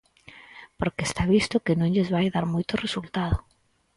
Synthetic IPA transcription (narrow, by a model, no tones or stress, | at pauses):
poɾkest̪aβist̪ʊkenõŋʎezβajðaɾmojt̪ʊresult̪að̞o